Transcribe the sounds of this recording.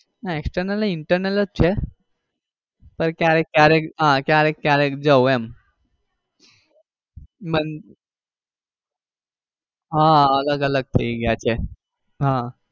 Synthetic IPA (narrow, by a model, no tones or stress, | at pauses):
naeksʈəɾnələiɳʈəɾnələt͡st͡ɕʰe | pəɾkjaɾekkaɾekɦãkjaɾekkaɾekd͡zəwɛm | mən | ɦãəɡaɡaləɡ̚t̪ʰeiɡʱat͡ɕe | ɦã